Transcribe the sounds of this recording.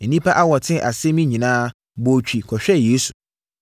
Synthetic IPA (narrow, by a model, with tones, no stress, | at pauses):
n̩˨nĩ˦pʰa˦ʔa˦wɔ˨tʰɪ̃˦˨ʔa˨sɛ˦mĩ˦ɲĩ˨nãː˦ | bo˨t͡ɕᶣi˨kʰɔ˨ɕᶣɛ˦jeː˨˦su˨